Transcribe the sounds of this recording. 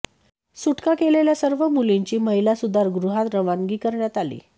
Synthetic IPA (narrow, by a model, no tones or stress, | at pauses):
suʈkakeleljasəɾʋəmuliɲt͡ɕiːməɦilasud̪ʱaɾɡɾuɦat̪ɾəʋaŋɡiːkəɾɳjat̪alḭː